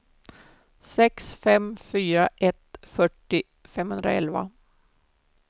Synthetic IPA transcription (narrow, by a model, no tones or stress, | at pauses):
sɛksfɛmfyːɾaʔɛt̪fœʈːɪ | fɛmhɵnd̪ɾa̰ɛ̰lva̰